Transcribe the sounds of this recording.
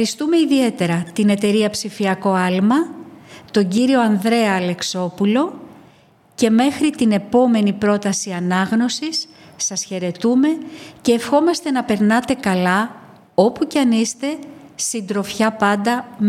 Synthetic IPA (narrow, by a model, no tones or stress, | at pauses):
ɾist̪umeiðie̞t̪e̞ɾɐt̪ine̞t̪e̞ɾiɐpsifiɐko̞ɐlmɐt̪o̞ɲɟiɾio̞ɐnðɾe̞ɐle̞kso̞pulo̞ | ce̞me̞xɾit̪ine̞po̞me̞nipɾo̞t̪ɐsiɐnɐɣno̞sisː | ɐsçe̞ɾe̞t̪ume̞ce̞ːfxo̞mɐst̪e̞nɐpe̞ɾnɐt̪e̞kɐlɐ | o̞pucɐnist̪e̞sind̪ɾo̞fçɐpɐnd̪ɐm